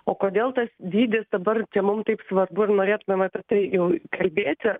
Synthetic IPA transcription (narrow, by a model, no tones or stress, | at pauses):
oːkoːd̪ʲeːlˠt̪ɐsd̪ʲiːd̪ʲɪsd̪ɐbɐrt͡ʃʲɛmʊmt̪ɐɪpsʋɐrbʊɪrnoːɾʲeːt̪ʊmʲɛmɐpʲɛt̪ɐɪjɛʊkɐlʲbʲeːt̪ʲɪ